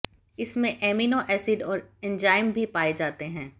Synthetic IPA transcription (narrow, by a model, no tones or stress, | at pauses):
ɪsmẽʔɛːminoʔɛːsɪɖɔːɾɛ̃nd͡ʒaːɪmbʱipaːed͡ʒaːt̪eɦɛ̃ː